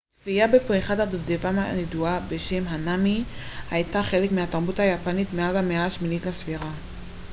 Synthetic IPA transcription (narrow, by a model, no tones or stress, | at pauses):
tfiabepʁiχadadovdevamaneduabe̞ʃe̞mɦanamihajtaχe̞lekmiataʁbuthajapanitmeazhameaʃminitlasviʁa